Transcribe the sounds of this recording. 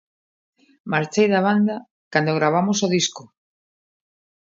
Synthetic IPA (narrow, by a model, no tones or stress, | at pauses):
maɾt͡ʃejðaβ̞and̪a | kand̪oɣɾaβ̞amosoðisko